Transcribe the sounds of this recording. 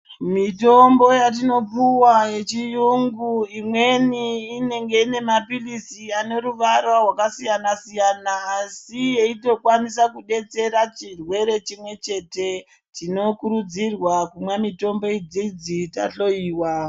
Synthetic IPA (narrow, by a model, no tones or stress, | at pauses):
mito̞mbo̞jat̬ino̞puwaje̞t͡ʃijuŋɡuimwe̞niːne̞ŋɡe̞ine̞mapilisiane̞ɾuʋaɾwarwakasijanasijanaːsije̞ito̞kwanisakuɗe̞t͡se̞ɾat͡ʃirwe̞ɾe̞t͡ʃimwe̞t͡ʃe̞te̞ | tino̞kuɾud͡zirwakumwamito̞mbo̞id͡zid͡zita̰ɬo̞iːwa